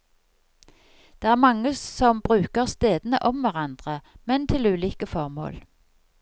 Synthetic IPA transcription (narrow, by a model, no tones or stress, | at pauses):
d̪̥eːæːʁmɑŋːəsɔmbʁʉːkəʁst̪eːd̪nə̰ʔɔmʋæʁɑnd̪ʁəmɛnt̪ʰɪlʉːliːkəfɔʁmo̰ːl